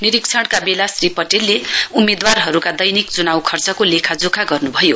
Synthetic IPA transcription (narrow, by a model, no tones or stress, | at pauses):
niɾikt͡sʰʌɽkabelasripʌʈelːeumed̪warɦʌɾukad̪ʌjnikd͡zunawkʰʌrt͡sʌkolekʰad͡zokʰaɡʌrnubʱʌjo